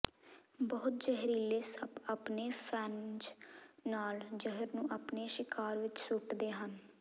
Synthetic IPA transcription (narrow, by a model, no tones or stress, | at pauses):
bɔːt̪̚d͡ʒəɦɾiːleːsəbaːpneːpʰɛːnd͡ʒnaːld͡ʒəɦəɾnũːʔaːpneːʃɪkaːɾʋɪt͡ʃsʊʈd̪eːɦən